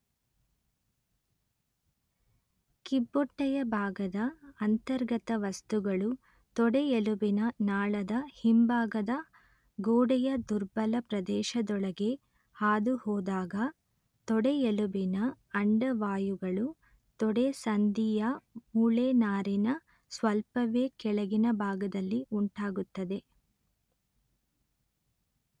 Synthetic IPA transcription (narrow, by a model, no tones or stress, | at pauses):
kibːɔʈːɐjɐbʱaːɡɐd̪ɐɐnt̪ɐɾɡɐt̪ɐʋɐst̪uɡɐɭu | t̪ɔɽeelubinɐnaːɭɐd̪ɐhimbaːɡɐd̪ɐ | ɡoːɽɛjɐd̪uɾbɐlɐpɾɐd̪ɛːʃɐd̪ɔɭɐɡe̞ | haːd̪uhɔːd̪aːɡɐ | t̪ɔɽeelubinɐ | ɐɳɖɐʋaːjuɡɐɭu | t̪ɔɽesɐnd̪ijɐmuːɭeːnaːɾinɐ | sʋɐlpɐʋeːkɛɭɐɡinɐbʱaːɡɐd̪ɐlːiʔuɳʈaːɡut̪ːɐd̪e̞